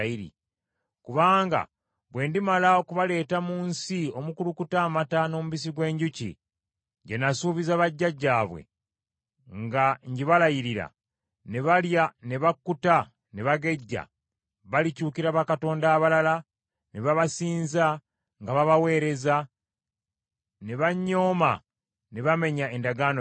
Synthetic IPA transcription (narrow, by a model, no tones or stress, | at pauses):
iɾḭ | kuβaːŋɡa̰ | βwe̞ːndimalaokuβale̞ːtamuːnsio̞mukulukutaːmatano̞muβis̬iɡwe̞ːɲɟucḭ | ɟe̞nasuːβizaβaɟːaɟːaːβwḛ | ŋɡaɲɟiβalajiɾiɾa̰ | ne̞βaljane̞βakːuta | neβaɡe̞ɟːa̰ | βalicuːkiɾaβakato̞ːndaːβalala | neβaβasiːnza | ŋɡaβaβawe̞ːɾe̞za | ne̞βaɲːo̞ːma | ne̞βame̞ɲae̞ndaɡaːno